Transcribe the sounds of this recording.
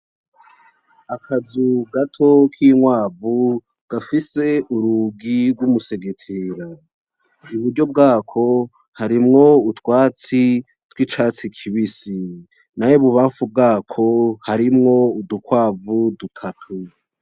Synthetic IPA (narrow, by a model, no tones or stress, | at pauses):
akʰazuɡatʰo̞kʰiːŋwaːvu | ɡ̥afise̞ʔuɾuɡiɾɡwumuse̞ɡetʰeɾa | uβuɾɟo̞b̚ɡaːkʰo̞ | haɾimŋo̞utwaːt͡si | twiːt͡ʃaːt͡sikʰiβisi | najoβuβaːɱfub̚ɡaːkʰo̞haɾimŋo̞udukwaːvudutʰatʰu